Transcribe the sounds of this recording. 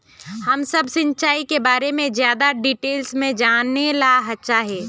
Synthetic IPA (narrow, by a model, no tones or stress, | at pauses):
hɐmsəbsɪ̃ɲt͡ʃaːikebaːɾemẽzjaːd̪aɖiːʈeːlsmẽd͡ʒaːnelaɦɐtːʃaɦɛː